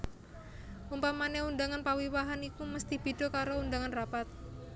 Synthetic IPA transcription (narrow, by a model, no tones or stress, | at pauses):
umpamaneundaŋanpawiwaɦanikuməst̪ib̥i̤d̥o̤kaɾoundaŋanrapat̪̚